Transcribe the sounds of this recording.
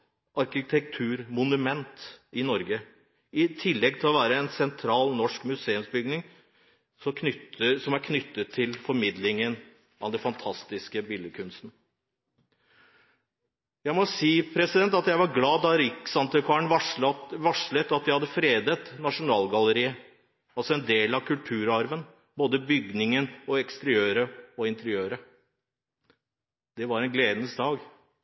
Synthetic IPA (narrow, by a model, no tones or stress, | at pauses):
ʔɑɾkɪt̪ʰɛk̚t̪ʰʉːɾmʊnʉmɛnt̪ɪnɔɾɡə | ɪt̪ʰɪlːɛɡ̚t̪ʰɪlɔʋæːɾəɛnsɛnt̪ʰɾɑːlnɔʂkmʉseːʉmsbʏɡnɪŋ | sɔk̪ʰʏsɔmæɾkʰnʏt̪ːət̪ʰːɪlfɔɾmɪd̪lɪŋən | ʔɑ̰d̪ɛfɑnt̪ʰɑst̪ɪskəbiːləkʰʉnst̪n̩ | jæɪmɔsiːpʰɾɛsɪd̪ɛnt̪ɑt̪jæɪʋɑɾɡlɑːd̪ɑɾɪksɑnt̪əkʰɑːɳʋɑʋɑʂlət̪ɑt̪̚dæɪhɑd̪ːəfɾeːd̪ət̪nɑʂʊnɑːlɡɑləɾiːə | ɑlsɔɛnd̪eːlɑʋkʰʉlt̪ʰʉːɾɑɾʋən | boːd̪əbʏɡnɪŋənɔɛkst̪əɾɪøːɾəɔɪnt̪əɾɪøːɾə | d̪̥ɛʋɑɾɛnɡleːd̪ənəsd̪ɑːɡ